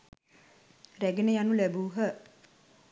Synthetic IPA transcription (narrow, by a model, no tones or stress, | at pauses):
ræɡenəjanulæbuːɦə